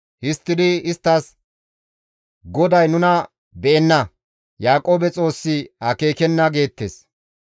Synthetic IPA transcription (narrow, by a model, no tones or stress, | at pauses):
hɪst̪ːɪd̪ɪɪst̪ːɐs | ɡɔd̪ɐjnʊnɐ | bɛʔɛnːɐ | jaːkʼo̞ːbɛt͡sʼo̞ːsːɪhɐke̞ːkɛnːɐɡe̞ːt̪ːes